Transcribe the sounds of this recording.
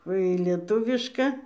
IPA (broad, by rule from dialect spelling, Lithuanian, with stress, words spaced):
ˈʋɐ iː lʲiɛˈtʊʋʲɪʃkɐ